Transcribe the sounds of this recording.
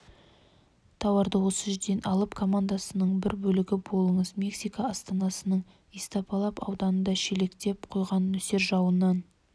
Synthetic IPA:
t̪ʰɑwɑɾd̪əwo̞səʒʏɾd̪enʔɑlˠəpkʰo̞mand̪asənəɴbɪɾbɵlɪɡʲɪbo̞lˠəɴəzmʲe̞ksijkɑːst̪ɑnɑsənəɴ | ijst̪ɑpʰɑlˠɑpɑ̰wd̪ɑnənd̪ɑʃele̞kt̪e̞pqʰo̞jʁɑnːɵse̞ɾʒɑwənːɑn

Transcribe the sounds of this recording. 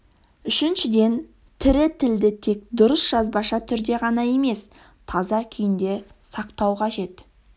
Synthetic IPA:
ʏʃɪnʃɪd̪e̞n | t̪ʰɪɾɪt̪ʰɪld̪ɪt̪ʰe̞kd̪ʊɾəsʒ̥ɑzbɑʃɑt̪ʰʏɾd̪e̞ʁɑnɑje̞me̞s | t̪ʰɑzɑkʲʰɪjɪnd̪e̞sɑqt̪ɑwqʰɑʒe̞t̪

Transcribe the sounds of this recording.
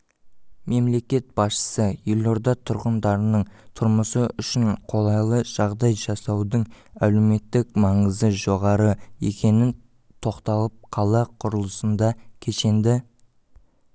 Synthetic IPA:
me̞mle̞kʲe̞t̪̚b̥ɑsʃə̥səjelʲo̞ɾd̪ɑt̪ʰʊɾʁənd̪ɑɾənəɴt̪ʰʊɾməsəʏʃɪɴqʰo̞lˠɑjlˠəʒ̥ɑʁd̪ɑjʒɑsɑwd̪əɴæleme̞t̪ːɪk̚mɑɴəzəʒo̞ʁɑɾəe̞̰kʲʰe̞nɪn | t̪ʰo̞qt̪ɑlˠəp̚qʰɑlˠɑqʰʊɾəlˠəsənd̪ɑkʲʰe̞ʃe̞nd̪ɪ

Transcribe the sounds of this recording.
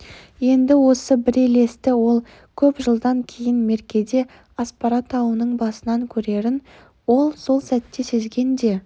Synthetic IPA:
je̞nd̪ɪwo̞səbɪɾele̞st̪ɪwo̞lˠ | kʲʰɵpʒəlˠd̪ɑŋkʲʰe̞jɪnme̞ɾkʲe̞d̪e̞ | ɑspɑɾɑt̪ʰɑwənəɴbɑsənɑŋkʲʰɵɾe̞ɾɪn | wo̞lˠso̞lˠsæt̪ːe̞se̞zɡʲe̞nd̪e̞

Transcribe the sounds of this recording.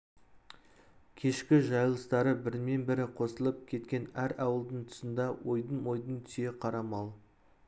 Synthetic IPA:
kʲʰe̞ʃkʲɪʒɑjlˠəst̪ɑɾəbɪɾme̞nbɪɾɪqʰo̞səlˠəp̚kʲʰe̞t̪kʲe̞næɾɑwəlˠd̪əɴt̪ʰʊ̥sənd̪ɑwo̞jd̪əɴwo̞jd̪ənt̪ʰsje̞qʰɑɾɑmɑlˠ

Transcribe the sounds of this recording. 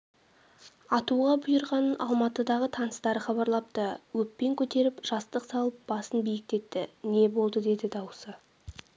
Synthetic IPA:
ɑt̪uʁɑbʊjəɾʁɑnəʔɑ̰lˠmɑt̪əd̪ɑʁət̪ʰɑnəst̪ɑɾəχɑβɑɾlˠɑp̚t̪əwɵpːe̞ŋkʲʰɵt̪e̞ɾɪpʒ̥ɑst̪əqsɑlˠəp̚bɑsənbijɪk̚t̪e̞t̪ːɪne̞bo̞lˠd̪əd̪e̞d̪ɪd̪ɑwəsə

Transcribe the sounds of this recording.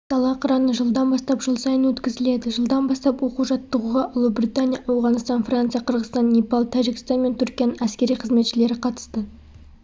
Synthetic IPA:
t̪ʰɑlˠɑqʰəɾɑnəʒəlˠd̪ɑnbɑst̪ɑpʒəlˠsɑjənwɵt̪kʲɪzɪle̞d̪ɪʒəlˠd̪ɑnbɑst̪ɑpwo̞quʒɑt̪ːəʁuʁɑʔʊlˠəbɾʲit̪anʲijɑʔɑwʁɑnəst̪ɑnfrant̪sɨjɑqʰəɾʁəzt̪ɑnːʲipɑlˠt̪ʰæʒɪkʲɪ̥st̪ɑnme̞nt̪ʰʏɾkʲijanənæskʲe̞ɾijqʰəzme̞t̪ʃɪle̞ɾɪqʰɑt̪ə̥st̪ə

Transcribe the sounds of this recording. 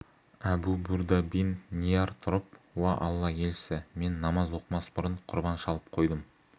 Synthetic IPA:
æbubuɾd̪ɑbinːijɑɾt̪ʰʊɾəp̚wɑʔɑlˠːɑje̞lsɪme̞nːɑmɑzwo̞qmɑsbʊɾəɴqʰʊɾbɑnʃɑlˠəp̚qʰo̞jd̪əm

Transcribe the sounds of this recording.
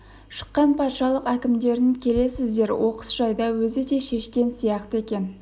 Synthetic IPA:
ʃə̥qːɑnpʰɑt̪ʃɑlˠəqækʲɪmd̪e̞ɾɪŋkʲʰe̞le̞sɪzd̪e̞ɾwo̞qə̥sʒ̥ɑjd̪ɑwɵzɪd̪e̞ʃe̞ʃkʲe̞nsijɑqt̪əe̞kʲe̞n

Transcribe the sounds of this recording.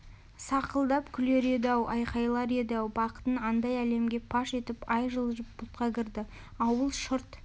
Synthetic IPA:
sɑqəlˠd̪ɑpkʲʰʏle̞ɾe̞d̪æwʔɑjqɑjlˠɑɾe̞d̪æwbɑqə̥t̪ənɑnd̪ɑjæle̞mɡʲe̞pʰɑʃe̞t̪ɪpɑjʒəlˠʒəpb̥ʊt̪̚qɑkʲʰɪɾd̪ɪ | ɑwəlˠʃʊɾt̪

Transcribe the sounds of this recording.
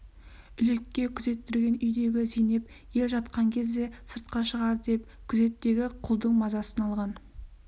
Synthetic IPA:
ʏle̞kʲːe̞kʲʰʏze̞t̪ːɪɾɡʲe̞nʏjd̪e̞ɡʲɪsejne̞p | je̞lʒɑt̪qɑŋkʲʰe̞zd̪e̞səɾt̪̚qɑʃəʁɑɾd̪e̞p | kʲʰʏze̞t̪ːe̞ɡʲɪqʰʊlˠd̪əɴmɑzɑsənɑlˠʁɑn

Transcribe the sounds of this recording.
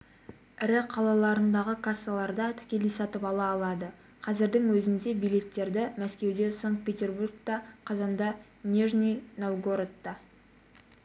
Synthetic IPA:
ɪɾɪqʰɑlˠɑlˠɑɾənd̪ɑʁəkʰasːalˠɑɾd̪ɑt̪ʰɪ̥kʲe̞lesɑt̪əpɑlˠɑːlˠɑd̪ə | qʰɑzɪɾd̪ɪŋwɵzɪnd̪e̞bijle̞t̪ːe̞ɾd̪ɪmæskʲe̞wd̪e̞saŋkt̪̚pʲet̪ʲe̞rburk̚t̪ɑqʰɑzɑnd̪ɑ | nʲeʒnʲijnowɡoɾt̪ːɑ

